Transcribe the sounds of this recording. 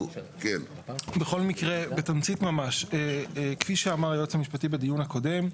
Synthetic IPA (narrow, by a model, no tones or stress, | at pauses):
ken | beχo̞lmikʁebetant͡sit̪mamaʃekfiʃeamaʁajot͡samiʃpatibed̪ijunhako̞de̞m